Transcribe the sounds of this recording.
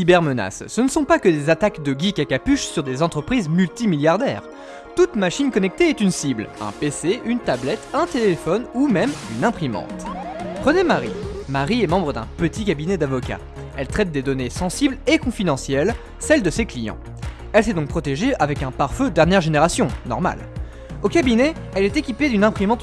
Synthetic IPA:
ibɛʁməna̰sːənəsɔ̃pakəd̪ezat̪akd̪əɡʲikakapyʃsyʁd̪ezɑ̃t̪χəpχizmylt̪imiljaʁd̪ɛ̰ːʁ | t̪ut̪maʃinkɔnɛk̚t̪eɛt̪ynsiblɛ̰̃peseʔynt̪ablɛt̪ɛ̃t̪elefɔnumɛmynɛ̃pχimɑ̰̃t̪pχənemaʁḭmaʁiɛmɑ̃bʁəd̪ɛ̃pət̪ik̬ʲabinɛd̪avɔkʲa̰ | ɛlt̪χɛt̪̚d̪ed̪ɔnesɑ̃siblekɔ̃fid̪ɑ̃sjɛl | sɛld̪əseklijɑ̰̃ | ɛlsɛd̪ɔ̃k̚pχɔt̪eʒeavɛkɛ̃paʁfød̪ɛʁnjɛʁʒeneʁasjɔ̃nɔ̰ʁma̰l | okabinɛɛlɛt̪ekʲiped̪ynɛ̃pχimɑ̃t̪

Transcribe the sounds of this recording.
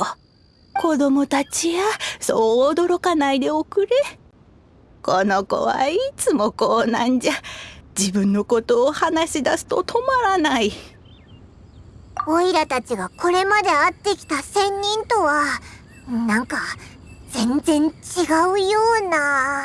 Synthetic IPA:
ko̞d̪o̞mo̞t̪at͡ɕiβasoːd̪o̞ɾo̞kanaid̪e̞okɯ̟ɾe | ko̞no̞ko̞̰βa̰it͡sɨmo̞koːnãɲ̟d͡ʑad͡ʑibɯ̟̃nːo̞ko̞t̪o̞ːhanaɕid̪asɨ̥t̪ot̪ʰo̞maɾanai | oiɾat̪at͡ɕiɡako̞ɾe̞mad̪e̞at̪ːe̞kʲi̥t̪asẽ̞ɲ̟ːĩnt̪o̞βa | nãŋka | z̥ẽ̞nd͡zẽ̞ɲt͡ɕiɡaɯ̟joːna

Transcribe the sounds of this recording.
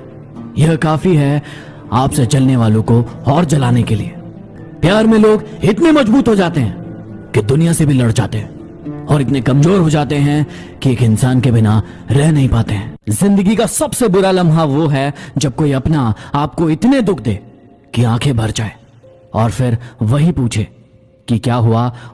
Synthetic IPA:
jɐɦkaːfiɦɛ | aːpset͡ʃɐlneʋaːlõkoɔːɾd͡ʒɐlaːnekelie | pjaːɾmẽloːɡɪt̪nemɐd͡ʒbuːt̪ɦod͡ʒaːt̪eɦɛ̃ː | kid̪ʊnijasebʱilɐɽd͡ʒa̰ːt̪eɦɛ̃ː | ɔːɾɪt̪nekɐmzoːɾɦod͡ʒaːt̪eɦɛ̃ | kieːkɪnsaːnkebɪna | ɾɛɦnɐɦĩpaːt̪eɦɛ̃ːzɪ̃nd̪əɡikasɐbsebʊɾalɐ̃mɦaʋoɦɛd͡ʒɐb̚koːiɐpnaaːp̚koɪt̪ned̪ʊk̚ʰd̪eː | kiãːkʰebʱɐɾd͡ʒaːeː | ɔːɾfɪɾʋɐɦipuːt͡ʃʰe | kikjaːɦʊa

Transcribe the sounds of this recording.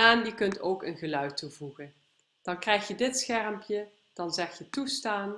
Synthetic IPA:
aːndikɵntowkənɣəlœɥtuvuɣən | d̥ɑnkrɛjxjədɪtsxɛrəmpjə | d̥ɑnzɛxjətustaːn

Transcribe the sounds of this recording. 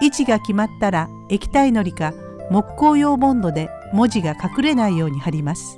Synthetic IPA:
it͡ɕiɡakʲimat̪ːaɾa | e̞kʲi̥t̪aino̞ɾʲika | mo̞kkːo̞ːjo̞ːmõ̞nd̪o̞d̪e̞ | mo̞ʑiɡakakɯ̟ɾe̞naijo̞ːɲ̟ihaɾʲimasɨ̥

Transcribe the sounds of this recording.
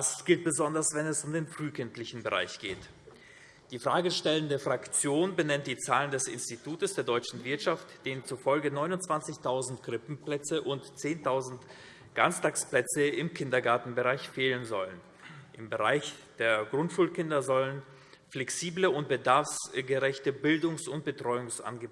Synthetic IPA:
asɡ̥ɪlt̚b̥əzɔndɐsv̥ɛnɛsʊmdeːnfʁ̥yːkʰɪntlɪçn̩bəʁa̰ɪçɡ̥eːt | d̥iːfʁ̥aːɡəʃtɛləndəfʁ̥akt͡sjoːnbənɛnt̚d̥iːt͡saːləndɛsɪ̰nstitʰuːtəsd̥eːɐdɔʏt͡ʃn̩vɪɐtʃaftd̥eːənt͡suːɐfɔlɡənɔʏnʊntt͡sv̥ant͡sɪçtʰaʊzn̩tɡ̥ʁɪpm̩plɛt͡səʔʊntt͡seːntʰaʊzn̩t | ɡ̥anstaːksplɛt͡səɪmkʰɪndɐɡaɐtn̩bəʁaɪçfeːlənzɔlən | ʔɪmbəʁa̰ɪçd̥eːɐɡʁʊntʃuːlkʰɪndɐzɔlən | flɛksiːbləʊnt̚b̥ədaɐfsɡəʁɛçtəbɪldʊŋsʊnt̚b̥ətʁ̥ɔʏʊŋsʔa̰nɡə

